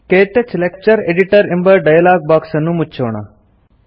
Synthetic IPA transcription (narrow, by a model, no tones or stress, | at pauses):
keːt̪et͡ʃlekt͡ʃəɾeɖiʈəɾɪ̃mbəɾɖajəlaːɡ̚baːksənũːmʊt͡ʃʰoːɳa̰